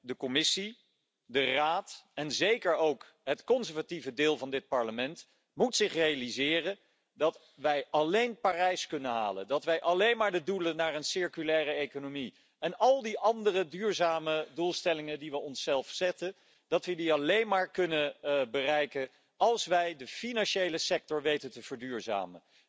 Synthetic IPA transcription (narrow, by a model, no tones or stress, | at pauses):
dəkɔmɪsi | dəraːtɛnzejkəɹowk | ɦətkɔnzəɹvativədɪːlˠvɑndɪt̚pɑɹləmɛnt | mutsɪχrejalizɪːrən | dɑt | ʋɛjʔɑlejnpaːrɛjskɵnəɦa̰ːlə̰ndɑtʋɛjʔɑlejnmaːɹdədulənaːɹənsɪɹkylɛːrəejkonomi | ɛnɑlˠdiʔɑndərədyːɹzaːmədulˠstɛlɪŋəndiʋəɔnsɛlˠfsɛtən | d̥ɑtʋədiɑlejnmaːɹkɵnəbərɛjkən | ɑlˠsʋɛjdəfinɑnʃejləsɛk̚tɔɹʋejtəntəv̥əɹdyːɹza̰ːmə̰n